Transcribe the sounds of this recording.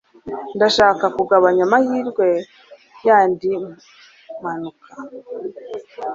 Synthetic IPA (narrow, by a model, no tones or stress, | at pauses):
ndaʃaːkakuɡaβaɲamahiːɾɡwe̞ | jaːndi | manukʰa